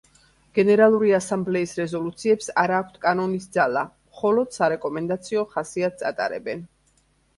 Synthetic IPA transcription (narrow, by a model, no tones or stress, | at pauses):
ɡ̥ɛnɛɾalˠuɾiasamblɛisɾɛzɔlut̪sʰiɛpsaɾaːkʷʰt̪ʰkʼanɔnisd̪zalamχɔlɔd̪̥saɾɛkʼɔmɛnd̪at̪sʰiɔχasiat̪̚ʰsʼa̰t̪ʼa̰ɾɛ̰bɛn